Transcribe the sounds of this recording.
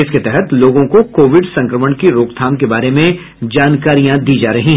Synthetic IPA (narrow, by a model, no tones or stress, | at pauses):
ɪsket̪ɛɦɛt̪loːɡõkokoːʋɪɖsɐ̃ŋkɾəməɳkiɾoːkt̪ʰaːmkebaːɾemẽ | d͡ʒaːnkaːɾijãd̪iːd͡ʒaːɾɐɦĩɦɛ